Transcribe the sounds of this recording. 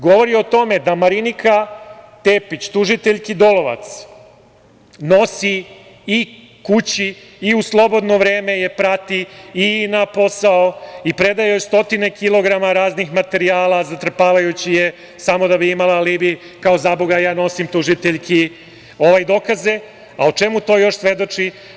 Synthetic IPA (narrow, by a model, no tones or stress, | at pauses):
ɡo̞ʋo̞ɾio̞t̪o̞me̞d̪amaɾinikat̪eːpit͡ɕt̪uʒit̪eʎʲkid̪o̞lo̞ʋa̰t̪s | no̞si | i | kut͡ɕiː | uslˠo̞bo̞d̪no̞ʋɾeːme̞je̞pɾat̪iːnapo̞saoipɾe̞d̪ajost̪o̞t̪ine̞kilˠo̞ɡɾamaɾaːznixmat̪e̞ɾiaːlˠazat̪ɾr̩paːʋajut͡ɕije | samo̞d̪abiimalalibi | kao̞zaboɡajaːno̞simt̪uʒit̪eʎkʰi | o̞ʋajd̪o̞kaze̞ | aot͡ʃe̞mut̪o̞ːjo̞ʃsʋe̞d̪o̞t͡ʂi